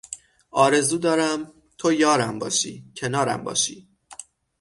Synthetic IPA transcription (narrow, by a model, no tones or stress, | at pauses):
ʔɒːɾe̞zuːd̪ɒːɾæm | t̪ʰojɒːɾæmbɒ̰ːʃḭːcʰe̞nɒːɾæ̰mbɒ̰ːʃḭː